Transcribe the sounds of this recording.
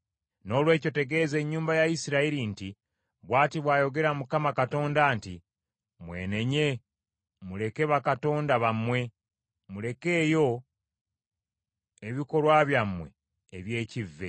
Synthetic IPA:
no̞ːlwe̞ːco̞te̞ɡe̞ːze̞ɲːuːmbajaisiɾaiɾinti | βwaːtiβwaːjo̞ɡe̞ɾamukamakato̞ːndaːnti | mwe̞̰ːne̞ɲe̞ | mule̞ke̞βakato̞ːndaβamːwe̞ | mule̞ke̞ːjo̞ | e̞βiko̞lwaβjamwe̞̰ː | βje̞ːcivːe̞

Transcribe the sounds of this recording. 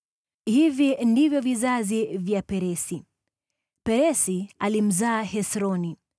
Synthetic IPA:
hivindivjɔvizazivjapɛɾɛsi | pɛɾɛsialim̩zaːhɛsɾɔni

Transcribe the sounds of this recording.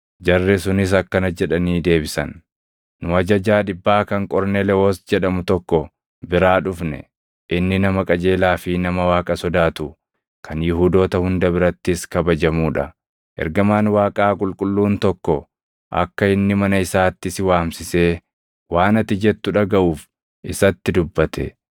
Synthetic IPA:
d͡ʒɐrːɛsʊnɪs̬ɐkːɐnɐd͡ʒɛᶑɐniːd̪e̞ːbɪsɐ̰nː | ʊɐd͡ʒɐd͡ʒaːᶑɪbːaːkɐŋkʼɔɾnɛlɛoːsd͡ʒɛᶑɐmʊt̪ɔkːɔ | bɪɾaːᶑʊfnɛ̰ | ʔɪnːɪnɐmɐkʼɐd͡ʒe̞ːlaːfɪnɐmɐwaːkʼɐsɔd̪aːt̪ʊ | kʰɐnjʊɦuːd̪o̞ːt̪ɐhʊnd̪ɐbɪɾɐt̪ːɪskɐbɐd͡ʒɐmuːᶑɐ | ʔɛ̰ɾɡɐmaːnwaːkʼaːkʼʊlkʼʊlːuːnt̪ɔkːɔ | ʔɐ̰kːɐɪnːɪmɐnɐɪsaːt̪ːɪsɪwaːmsɪse̞ː | waːnɐt̪ːɪd͡ʒɛt̪ːʊᶑɐɡɐʔuːf | ʔɪsɐt̪ːɪd̪ʊbːɐt̪ʰɛ̰

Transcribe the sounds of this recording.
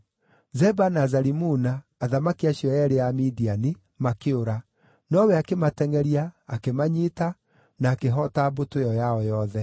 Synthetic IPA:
zɛbanazaɾimunaː | ðamakiaɕjɔjɛɾeamidiani | makeoɾa | nɔwɛakematɛŋɛɾiaːkemaɲita | naːkeɦɔtabotojɔjaɔjɔðɛ

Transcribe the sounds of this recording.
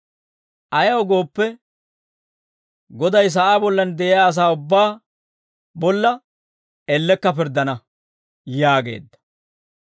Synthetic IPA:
ʔɐjɐwɡo̞ːpːɛ | ɡɔd̪ɐjs̬ɐʔaːbɔlːɐnd̪ɛʔɪjaːɐs̬aːʊbːaː | bɔlːɐ | ɛlːɛkːɐpɪɾd̪ːɐnɐ | jaːɡe̞̰ːd̪ːɐ̥

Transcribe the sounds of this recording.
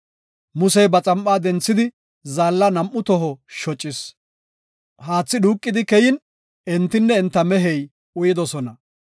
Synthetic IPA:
mʊsɛjbɐt͡sʼɐmpʼːaːd̪ɛnt͡sːɪd̪ɪ | zaːlːɐnɐmʔːʊt̪ɔɦɔʃɔt͡ʃʼːɪs | haːt͡sːɪduːkʼːɪd̪ɪkɛjɪn | ʔɛnt̪ːɪnːɛːnt̪ːɐmɛɦɛj | ʊjɪd̪ɔsɔnɐ

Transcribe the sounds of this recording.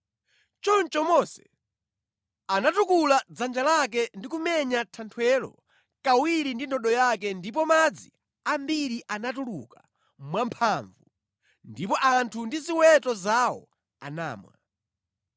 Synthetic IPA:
t͡ʃɔnt͡ʃɔmɔsɛ̥̰ | anatukulad͡zand͡ʒalak̬ɛndikumɛɲatʰantʰwɛlɔ̰ | kawiɾindindɔɗɔjak̬ɛndip̬ɔmad͡zi | ambiɾiʔanatulṵka | mwampʰaɱvu | ndipɔʔantʰundiziwɛtɔzawɔ̰ | a̰na̰ːmwa̰

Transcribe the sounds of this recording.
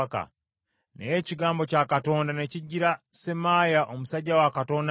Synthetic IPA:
ka̰ | nḛjeciɡaːmbo̞cakato̞ːndane̞ciɟːiɾasemaːjaʔomusaɟːawakato̞ːnd

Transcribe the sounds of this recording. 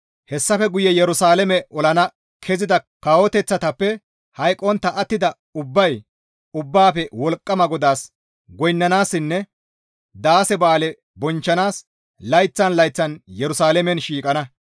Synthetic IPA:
hɛsːɐfɛɡʊjɛjɛɾʊsaːlɛmɛʔɔlɐnɐ | kʰɛzɪd̪ɐkawɔt̪ɛt͡sːɐt̪ɐpːɛ | hɐjkʼɔnt̪ːɐʔːt̪ːɪd̪ɐ | ʊbːɐj | ʊbːaːfɛwɔlkʼːɐmɐɡɔd̪aːs | ɡɔjnːɐnaːsːɪnːɛ | d̪aːsɛbaːlɛ | bɔnt͡ʃːɐnaːs | lɐjt͡sːɐnlɐjt͡sːɐnjɛɾʊsaːlɛmɛnʃiːkʼɐnɐ

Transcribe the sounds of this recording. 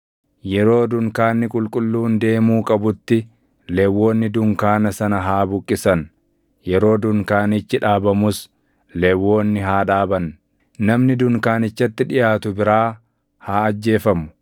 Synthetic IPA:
jɛɾo̞ːd̪ʊŋkaːnːɪkʼʊlkʼʊlːuːnd̪e̞ːmuːkʼɐbʊt̪ːɪ | lɛwːo̞ːnːɪd̪ʊŋkaːnɐsɐnɐɦaːbʊkʼːɪsɐn | jɛɾo̞ːd̪ʊŋkaːnɪt͡ʃːɪᶑaːbɐmʊs | lɛwːo̞ːnːɪɦaːᶑaːbɐn | nɐmnɪd̪ʊŋkaːnɪt͡ʃːɐt̪ːɪᶑɪjaːt̪ʊbɪɾaː | haːɐd͡ʒːe̞ːfɐmʊ̥

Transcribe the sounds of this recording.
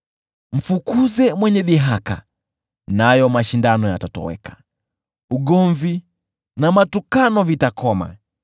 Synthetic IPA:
m̩fukuzɛmwɛɲɛðiɦaka̰ | najɔmaʃindanɔjatatɔ̰wɛ̰kḁ | uɠɔɱvi | namatukanɔvitakɔma̰

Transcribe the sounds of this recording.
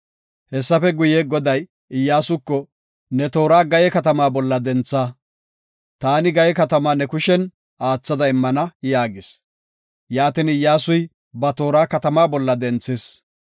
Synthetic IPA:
hɛsːɐfɛɡʊjɛɡɔd̪ɐj | ɪjːaːsʊkːɔ | nɛt̪o̞ːɾaːɡɐjɛkɐt̪ɐmaːbɔlːɐd̪ɛnt͡sːaː | t̪aːnɪɡɐjɛkɐt̪ɐmaːnɛkʊʃɛn | aːt͡sːɐd̪ɐɪmːɐnɐjaːɡɪs | jaːt̪ɪnɪjːaːsʊj | bɐt̪o̞ːɾaːkɐt̪ɐmaːbɔlːɐd̪ɛnt͡sːɪs

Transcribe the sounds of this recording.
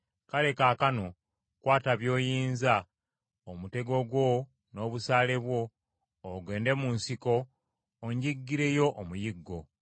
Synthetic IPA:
kale̞kaːkano̞ | kwaːtaβjo̞ːjiːnza | omute̞ɡo̞ɡwo̞ | no̞ːβusaːle̞βwo̞ː | ɡwe̞ːnde̞munsiko̞ː | ɲɟiɡːiɾe̞jo̞ʔomujiɡːo̞

